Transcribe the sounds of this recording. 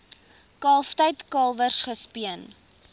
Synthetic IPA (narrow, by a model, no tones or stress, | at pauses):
kɑːlˠftəjtkɑːlˠvərsχəspiən